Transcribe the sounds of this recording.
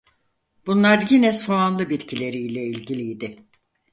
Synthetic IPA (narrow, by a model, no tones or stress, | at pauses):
b̥unlˠaɾjinɛsoanlˠɯbit̪cʰilʲe̞ɾijlʲɛilʲɟilʲijd̪ɪ